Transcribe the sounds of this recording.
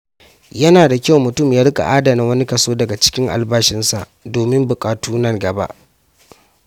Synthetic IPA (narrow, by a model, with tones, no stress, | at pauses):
jɐ˦naː˨da˨kʲa˦wmʊ˨tʊ˦˨mjaː˦ɽʊ˦kʼa̰˨ʔaː˦da˨na˦wɐ˦ni˦kɐ˨soː˦dɐ˨ɡa˨t͡ʃɪ̥˦kʲɪ˦ŋʔa̰˨lbaː˦ʃɪ˦nsa̰˨ʔdoː˨mɪ˦mbʊ˨kʼaː˨tuː˦nɐ˦ŋɡɐ˨ba̰˦ʔ